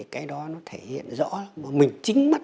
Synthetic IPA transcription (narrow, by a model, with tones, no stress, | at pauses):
kaː˨˦jɗɔ˨˦nɔ˨˦t̪ʰe˧˩hḭ˧˨ənzɔ̰˧˥maː˨˩mï˨˩ŋ̟t͡ɕï˨˦ŋ̟ma˦˥t̚